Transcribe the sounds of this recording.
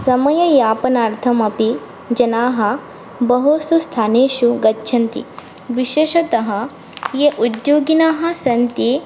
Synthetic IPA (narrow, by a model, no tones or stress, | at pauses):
sɐmɐjɐjaːpɐnaːɾt̪ʰɐmɐpi | d͡ʒɐnaːɦɐ̆ | bɐɦoːsust̪ʰaːneːʃuɡɐtːʃʰɐnt̪ḭ | ʋiʃeːʃɐt̪ɐɦɐ̆ | jeʔud̪joːɡinaːɦɐ̆sɐnt̪i